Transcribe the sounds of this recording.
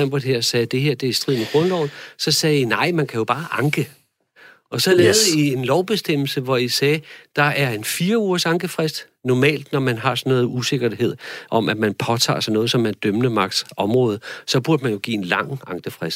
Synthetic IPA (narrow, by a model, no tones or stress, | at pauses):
æmb̥odˠheɐ̰sɛːd̥e̝ɦe̝ɐd̥e̝æɐsd̥ʁið̰ˠnəɡ̥ʁɔ̽nd̥ɒʊð̩ˠsɒ̽sɛːinɑ̈ɪ̰mænkʰæjo̝b̥ɑ̈ːʔɑ̈ŋɡ̥ə | ɒ̽sɒ̽leːðˠie̝nlɒʊb̥e̝sd̥em̰l̩səʋɒisɛːd̥ɑ̈ʔæɐe̝nfiːɐuːɐsɑ̈ŋɡ̥əfʁɛsd̥ | nɒmɛ̰ːld̥nɒmænɦɑ̈sɒ̽nːɔ̽ːð̩ˠuse̝ɡ̥ɐɦe̝ð̞̰ˠʔɒ̽mʔæmænpʰɒ̽t͡sʰɑ̰̈ːsɒ̽nɔ̽ːð̞̩ˠsɒ̽mæd̥ømnəmɑ̈ɡ̥d̥sɒ̽mʁɔ̽ːð̞ˠsɒ̽b̥uɐd̥əmænjo̝ɡ̥ḭːe̝nlɑ̈ŋ̰ɑ̈ŋɡ̥əfʁɛsd̥